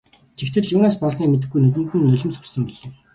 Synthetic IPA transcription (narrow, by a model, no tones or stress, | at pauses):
t͡ɕʰext̪ʰɘ̆ɮjuːnaːspɔsniːmet̪̬ɘ̆xɡːujnɵt̪ɘ̆nt̪ɘ̆nːɵɮʲɵ̆msu̥rsɘ̆mpiɮɘ̆